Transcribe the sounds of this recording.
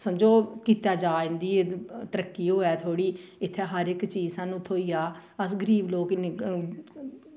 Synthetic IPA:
səmd͡ʒoːkiːt̪aːd͡ʒaːɪ̃nd̪iːet̪əɾəkːiːɦoːɛːt̪ʰoːɽiːɪt̪ʰːɛːɦəɾɪkt͡ʃiːsãːnːũːt̪ʰoːiːjaːəs̬ɡəɾiːbloːkn

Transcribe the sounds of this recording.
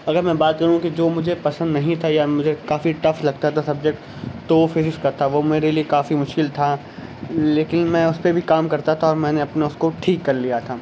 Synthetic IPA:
ɐɡəɾmɛ̃ːbaːt̪̚kɐɾũɦũkid͡ʒoːmʊd͡ʒʱepɐsə̃nd̪nɐɦĩt̪ʰajamʊd͡ʒʱekaːfiʈɐflɐɡ̚t̪aɛt̪ʰosɐb̚d͡ʒɛk̚ʈ | t̪oːfeːɾɪskat̪ʰaʋomeːɾeliekaːfimʊʃkɪlt̪ʰa | leːkɪnmɛ̃ːʊspebʱikaːmkɐɾt̪at̪ʰaɔːɾmɛ̃ːneɐpnaʊskoʈʰiːkːɐɾlijat̪ʰaː

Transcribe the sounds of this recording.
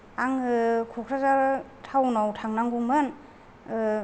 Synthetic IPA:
aŋɯkʰokʰɾazaɾ | tʰawnawtʰaŋnaŋɡuŋmɯn | ɯ

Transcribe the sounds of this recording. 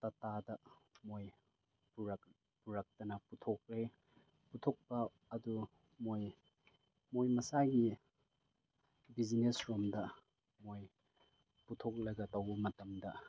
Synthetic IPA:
tɐtadɐmoj | puɾɐ | puɾɐk̚tɐnɐputʰok̚ɾe | putʰok̚pɐː | du | moj | mojmɐsajɡi | bid͡ʒinesɾomdɐ | moj | putʰok̚lɐɡɐtɐwbɐmɐtɐmdɐ

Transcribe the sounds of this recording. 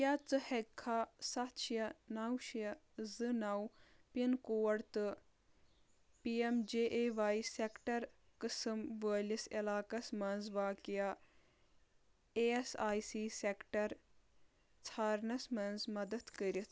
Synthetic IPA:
jat͡sɨhekʰːasɐt̪ʃjɐnawʃjɐ | zɨnɐw | pinkoːɐɽt̪ɨ | piemd͡ʒeʔeːʋaːjsekʈɐɾ | kɨsɨmʋəːlʲisɐlaːkɐsmɐnzʋaːkija | esaːjsiːsekʈɐɾ | t͡sʰaːɾnɐsmɐnzmɐd̪ɐt̪kəɾʲit̪ʰ

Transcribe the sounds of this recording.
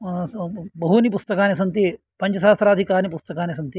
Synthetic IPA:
bɐɦunipust̪ɐkaːnes̬ɐnt̪i | pɐɲt͡ʃɐsaːst̪ɾaːd̪ʱikaːnipust̪ɐkaːnesɐnt̪i

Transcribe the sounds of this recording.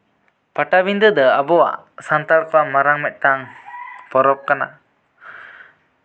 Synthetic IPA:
paʈabind̪əd̪əabɔwa̰ʔsant̪aɾkɔwamaɾaŋmɛt̪̚ˀt̪aŋpɔɾɔp̚kana̰

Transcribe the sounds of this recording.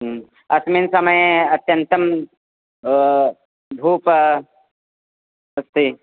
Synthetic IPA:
ɐsminsɐmɐjɐt̪jɐnt̪ɐm | b̪ʱuːp | ɐst̪i

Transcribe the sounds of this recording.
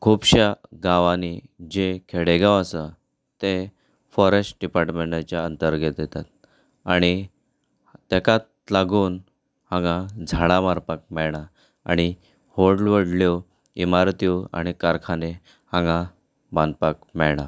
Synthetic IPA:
kʰubɕaɡãʋanid͡ʑekʰeɽeɡãwəsə | t̪e | fɔɾesʈ̚ɖipaɾʈmeɳʈat͡ɕjaənt̪əɾɡet̪d̪et̪at̪̚ | aɽ̃i | t̪ɛkat̪̚ | laɡuːn | hãŋɡãd͡zʱaɽ̃amaɾpak̚mɛɭɳa | a̰ɽ̃i | hoɖlʋəɽljo | imaɾt̪ioa̰ɽ̃ikaɾkʰane | hãŋɡa | bãnd̪pak̚mɛɭɳa

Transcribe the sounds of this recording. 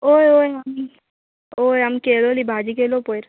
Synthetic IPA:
ojoːjɦɐm | oːjɐmkeːloːlibʱaːd͡ʒikeːlopojɾ

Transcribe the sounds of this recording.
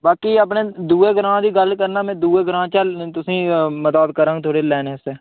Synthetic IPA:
baːkiːəp̬neːd̪uːeːɡəɾãːd̪iːɡəlkəɾnaːmɛ̃ːd̪uːeːɡəɾãːt͡ʃəlt̪ʊsĩːmət̪aːd̪̚kəɾãːŋɡt̪ʰoːɽeːlɛːneseː

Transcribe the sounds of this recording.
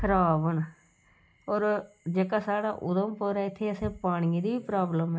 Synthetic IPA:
kʰəɾaːbən | ɔːɾ | d͡ʒeːkaːsaːɽaːʔʊd̪əmpəːɾaːɪt̪ʰːeːəsẽːpaːɽ̃ĩːd̪iːbiːpɾaːbləmɛː

